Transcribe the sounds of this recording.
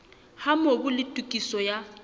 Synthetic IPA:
hamobʊlɪtʼukʼisɔja

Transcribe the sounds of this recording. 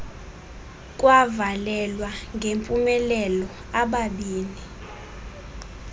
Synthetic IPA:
k̬ʼwavalɛlwaŋɡʱempʼumɛlɛlɔ | aɓaɓiːni

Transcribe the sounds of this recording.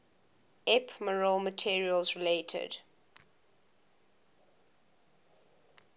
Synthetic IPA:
ɛpʰməɹəlmətʰiəɹiəlzɹiletʰə̰d̥

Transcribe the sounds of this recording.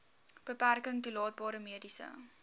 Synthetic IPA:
b̥əpærkəŋtulɑːt̚bɑːɾəmiədisə̰

